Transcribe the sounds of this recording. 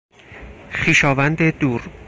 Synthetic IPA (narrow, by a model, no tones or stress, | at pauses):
χiːʃɒːvænd̪ed̪uːɾ